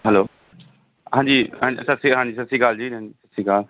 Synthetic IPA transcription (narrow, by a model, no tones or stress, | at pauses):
ɦɛloː | ɦãːd͡ʒiːãːsətsiɦãːd͡ʒiːsətsiːkaːld͡ʒiːãːiːsətsiːkaːl